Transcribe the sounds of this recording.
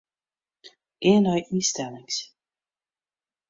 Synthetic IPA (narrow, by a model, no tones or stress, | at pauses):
ʔeːnœjʔistɛlɪŋs